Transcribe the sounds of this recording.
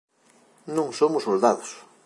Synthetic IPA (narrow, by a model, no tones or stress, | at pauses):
nõŋsomʊsːold̪aðʊs